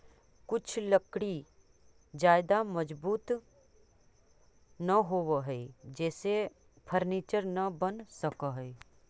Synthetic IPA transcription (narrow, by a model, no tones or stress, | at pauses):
kʊt͡ʃʰləkɽi | d͡ʒaːɪd̪amɐd͡ʒbuːt̪ | nɐɦoːʋəɦɛid͡ʒɛːse | pʰəɾniːt͡ʃəɾnɐbənsɐkaɦɛ